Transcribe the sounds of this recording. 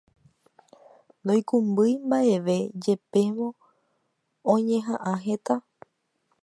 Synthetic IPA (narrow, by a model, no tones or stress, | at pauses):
nd̪ojkũmbɨjmbaʔe̞ʋe̞d͡ʒe̞pe̞ʋõ̞ | ɲẽ̞ɦãʔãɦe̞t̪a